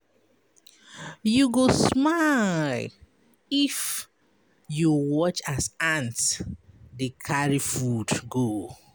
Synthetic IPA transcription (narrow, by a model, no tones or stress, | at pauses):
juɡosmal | if | juwɔt͡ʃasãnt | dekʰaɹifudɡo